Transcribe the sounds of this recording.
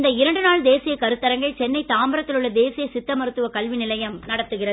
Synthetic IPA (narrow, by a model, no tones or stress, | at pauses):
nd̪ɐɪɾɐɳɖɯnaːɭd̪eːsɪjɐkɐɾɯt̪ːɐɾɐŋɡɐɭt͡ʃɛnːɐɪt̪aːmbɐɾɐt̪ːɪlɯɭːɐd̪eːsɪjɐsɪt̪ːɐmɐɾɯt̪ːɯʋɐkɐlʋɪnɪlɐjɐmnɐɽɐt̪ːɯɣɪrɐðɯ